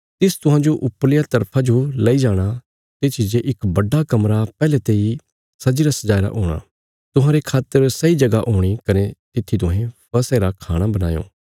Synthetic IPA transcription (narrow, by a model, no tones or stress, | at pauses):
t̪ɪst̪ʊɦãːd͡ʒoʔʊplɪjat̪ɐɾpʰad͡ʒolɐid͡ʒaːɽ̃a | t̪eːt͡ʃʰid͡ʒeʔɪkbɐɖakɐmɾapɛːlet̪eːi | sɐd͡ʒiːɾasɐd͡ʒaːiɾa̰ʔoːɽ̃a̰ː | t̪ʊɦãːɾekʰaːt̪ːəɾsɐid͡ʒɐɡaʔoːɽ̃ikɐnet̪ɪt̪ʰːit̪ʊɦɛ̃pɐseːɾakʰaːɽ̃abɐna̰ːjo̰ː